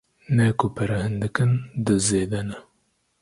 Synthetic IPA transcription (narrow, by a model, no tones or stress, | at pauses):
nɛkopʰɐɾɐhɨnd̪ɨkɨnd̪ɨzeːd̪ɛnɛ